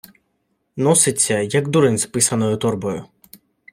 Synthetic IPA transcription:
nɔsɪsʲɐjaɡd̪uɾɛnʲspɨsɐnɔjʊt̪ɔrbɔjʊ̰

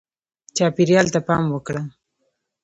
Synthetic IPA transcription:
t͡ʃɑpiɾjɑlt̪apɑmwəkɽə

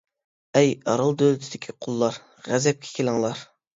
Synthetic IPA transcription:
ɛjɑɾɑlˠd̪ølɪt̪ʰɪd̪ɪkʲʰiqʰʊlˠːɑɾ | ʁæzɛp̚kʲʰɛ̥kʲʰelˠɨŋlˠɑɾ

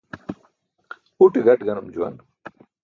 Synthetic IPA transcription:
uʈeɡɐʈɡɐnumd͡ʑuwɐ̰n

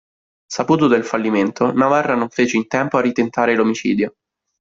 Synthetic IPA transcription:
sapuːt̪̬od̪elfalːiment̪onavarːanoɱfeːt͡ʃeint̪ɛmpoarːit̪ent̪aːɾelomit͡ʃḭːd̪jo

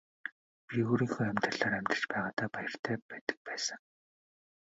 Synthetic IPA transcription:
pʲiuːɾiːŋxoːæmʲt̪rə̆ɮaːɾæmʲt̪rə̆ɬt͡ɕpæːʁaːt̪aːpajə̆r̥t̪ʰæːpæːt̪ə̥̆k̚pæːsə̆ŋ

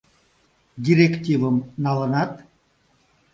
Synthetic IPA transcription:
dʲiɾʲektʲivəmnɑlənɑt̪

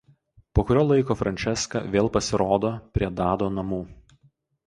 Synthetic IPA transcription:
poːkʊɾʲoːlˠɐɪkoːfɾɐnʲt͡ʃʲɛskɑ̰ːʋʲeːlˠpɐsʲɪɾoːd̪oːpʲɾʲiɛd̪ɑːd̪oːnɐmuː

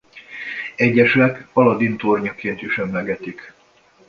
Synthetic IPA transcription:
ɛɟːɛʃɛkɒlɒd̪int̪orɲɒkeːnt̪iʃɛmlɛɡɛt̪ik

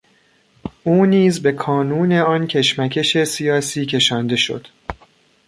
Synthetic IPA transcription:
ʔuːniːzbe̞kʰɒːnuːne̞ɒːncʰe̞ʃmækʰe̞ʃe̞sijɒːsiːcʰe̞ʃɒːnd̪e̞ʃo̞̰d̪̥

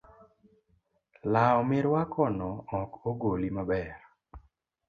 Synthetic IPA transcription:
laɔmɪɾwakʰɔnɔɔkoɡolimabɛɾ

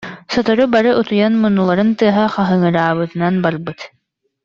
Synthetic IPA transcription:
sɔt̪ɔɾubaɾɯʔut̪ujanmunːulˠaɾɯnt̪ɯɐɦaχaɦɯŋɯɾaːβɯt̪ɯnanbaɾbɯt̪

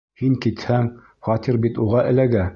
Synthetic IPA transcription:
hiŋkit̪hæŋ | χɒt̪iɾbit̪uʁɑʔɘ̆læɡæ

